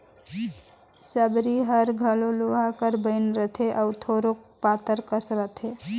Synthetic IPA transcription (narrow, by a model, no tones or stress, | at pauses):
səbɾiɦəɾɡʱəloloɦakəɾbəɪnɾət̪ʰeʔaut̪ʰoɾok̚pat̪əɾkəsɾət̪ʰe